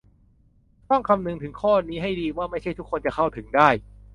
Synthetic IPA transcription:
t̪ɔ˥˩ŋkʰa˧mnɯ˧ŋt̪ʰɯ˩˦ŋkʰɔː˥˩niː˦˥ɦa˥˩jdiː˧waː˥˩ma˥˩jt͡ɕʰjt̪ʰu˦˥kʰːo˧nt͡ɕa˨˩kʰa˥˩wt̪ʰɯ˩˦ŋdaː˥˩j

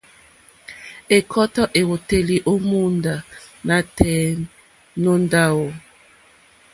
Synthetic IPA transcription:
e˨kʰɔ˦tɔ˦ʔe˨ɣo˨te˨li˨ʔo˦mu˦nda˨na˨tɛ˦ | no˦nda˦wo˨

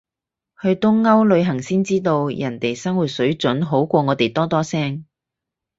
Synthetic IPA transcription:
hɵ˧ɥt̪ʊ˥ŋːɐ˥wlɵ˨˧ɥɦɐ˨˩ŋsiː˥nt͡siː˥t̪o˧wjɐ˨˩nt̪e˨jsɐ˥ŋwuː˨˩t̚sɵ˨˥ɥt͡ʃɵ˨˥nɦo˨˥wkʷɔː˧ŋɔː˨˧t̪e˨˩jt̪ɔː˥t̪ɔː˥sɛː˥ŋ

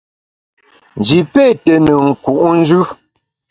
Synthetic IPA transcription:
n˨d͡ʒi˨pe˦˨tə˨nə˨ŋ̩˨ku˨ʔn̩˦d͡ʒʉ˦

